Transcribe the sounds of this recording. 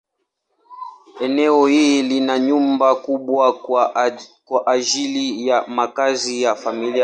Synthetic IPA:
ɛnɛɔhilinaɲumbakuɓwa | kwaʔad͡ʒilijamakazijafamili

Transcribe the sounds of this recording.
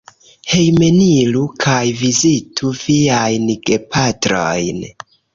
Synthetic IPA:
he̞jmenilukʰajvizitʰuviajnɡe̞patɾo̞̰jn

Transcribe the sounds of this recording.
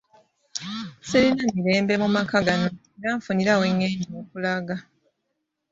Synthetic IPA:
selinamiɾe̞ːmbe̞mumakaɡano̞eɾaɱfuniɾaweŋːeːɲioːkulaɡa

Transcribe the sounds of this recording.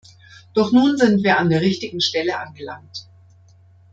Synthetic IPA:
d̥ɔχnuːnzɪntv̥iːɐandeːɐʁɪçtɪɡŋ̩ʃtɛləʔanɡəlaŋk̚t

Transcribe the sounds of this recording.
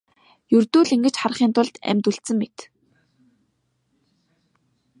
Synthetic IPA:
jɵrt̪uːɮiŋɡɘ̆t͡ɕχar̆χiːnt̪ʊɮt̪æ̰mʲt̪ŭɬt̪sɘ̆ŋmet̪

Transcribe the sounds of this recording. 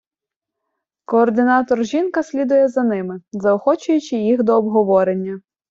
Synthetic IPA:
kɔːrd̪ɪnɑt̪ɔrʒʲinkɐsʲlʲid̪ʊjɛzɐnɪmɪzɐɔxɔt͡ʃʊjʊt͡ʃɪjixd̪ɔːbɦɔʋɔɾenʲːɐ

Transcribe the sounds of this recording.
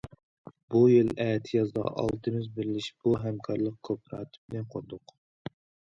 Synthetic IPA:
bujilɛːt̪ʰɪjɑzd̪ɑ̰ʔɑ̰lˠt̪ʰɨmɪzbɪɾɪlɪʃb̥uɦɛmkʰɑɾlˠəq̚kʰopʰɾɑ̰ːt̪ʰɨ̥bɪlɛnqʰoɾd̪ʊq

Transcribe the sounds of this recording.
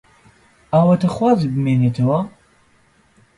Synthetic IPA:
aːwɐt̪ʰɐxwaːzibɨmeːnet̪ʰɐwɐ

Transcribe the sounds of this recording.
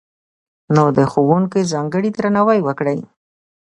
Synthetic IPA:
nod̪əxowuŋkizɑŋɡəɽid̪ɾanawajwəkɽaj

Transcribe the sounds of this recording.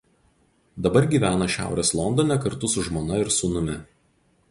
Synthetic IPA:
d̪ɐbɐɾɡʲiːʋʲæːnɐʃʲæ̰ˑʊɾʲeslˠɔnd̪ɔnʲɛkɐɾt̪ʊsʊʒmoːnɐɪɾsʊːnʊmʲɪ

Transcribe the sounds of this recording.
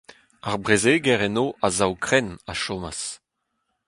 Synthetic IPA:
aʁbʁezeɡɛʁɛnoːʔazawkχɛnaʃoːma̰s

